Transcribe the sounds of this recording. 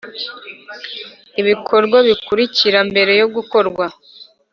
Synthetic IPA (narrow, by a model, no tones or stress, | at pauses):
iβikʰo̞ɾɡwaβikuɾiciɾambe̞ɾe̞jo̞ɡuko̞ɾɡwa